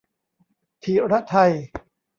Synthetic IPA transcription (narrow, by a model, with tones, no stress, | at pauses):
t̪ʰiː˨˦ɾa˦˥t̪ʰa˧j